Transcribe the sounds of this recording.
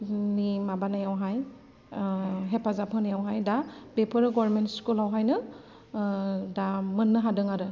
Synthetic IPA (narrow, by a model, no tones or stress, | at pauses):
nimabanajawɦaj | ɦepʰazapʰɯnajawɦajdabepʰɯɾɯɡɔɾmentskulawɦajnɯ | damɯnːɯɦadɯŋaɾɯ